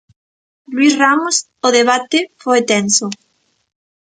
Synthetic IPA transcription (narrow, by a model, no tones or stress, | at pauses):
lwisramos | oðeβ̞at̪efojt̪enso